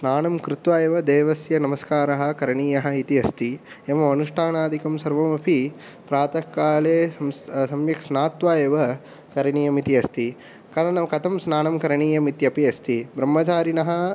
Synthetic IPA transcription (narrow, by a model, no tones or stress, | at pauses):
snaːnɐmkɾɪt̪ʋaːjɐʋɐd̪eːʋɐsjɐnɐmɐskaːɾɐɦɐ̆kɐɾɐɳiːjɐɦɐ̆it̪iɐst̪i | ɐmɐɐnuʂʈʰaːnaːd̪ʱikɐmsɐɾʋɐmɐpʰi | pɾaːt̪ɐkːaːleːɐmssɐmjɐksnaːt̪ʋaːjɐʋɐ | kɐɾɐɳiːjɐmit̪iɐst̪i | kɐɾɐnɐkɐt̪ʰɐmsnaːnɐmkɐɾɐɳiːjɐmit̪jɐpiɐst̪ʰibɾɐmːɐt͡ʃaːɾinɐɦɐ̆